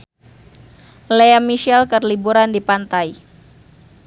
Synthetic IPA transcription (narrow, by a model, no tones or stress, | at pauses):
leamiʃɛlkərlibuɾandipant̪aj